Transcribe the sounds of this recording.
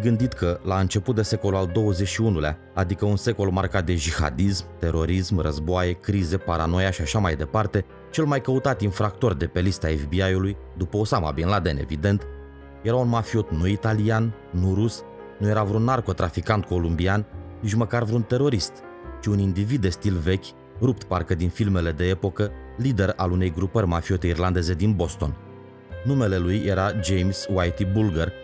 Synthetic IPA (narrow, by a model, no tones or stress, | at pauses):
ɡɨnd̪it̪kəlaɨnt͡ʃe̞put̪̚d̪e̞se̞ko̞luald̪o̞wəzet͡ʃʃiunulea̰ | ad̪ikəunse̞ko̞lmarkat̪̚d̪e̞d͡ʒiha̰d̪ismt̪e̞ɾo̞ɾismrəzboaje̞kɾize̞paɾano̞jaʃiaʃamajd̪e̞part̪e̞ | t͡ʃe̞lmajkəut̪at̪infɾak̚t̪o̞rd̪e̞pe̞list̪aefbiajuluj | d̪upəosama̰binlad̪e̞̰ne̞̰vid̪e̞nt̪ | jeɾaunmafio̞t̪nuit̪alianː | uɾus | nuje̞ɾavɾunːarko̞t̪ɾafikant̪̚ko̞lumbiannit͡ʃʲməkarvɾunt̪e̞ɾo̞ɾist̪ | t͡ʃiunind̪ivid̪ːe̞st̪ilve̞kʲ | rup̚t̪parkəd̪infilme̞le̞d̪e̞epo̞kəlid̪e̞ɾa̰lune̞jɡɾupərʲmafio̞t̪e̞irland̪e̞ze̞d̪inbo̞st̪o̞̰n | nume̞le̞lujʔeɾad͡ʒejmswajt̪ibulɡər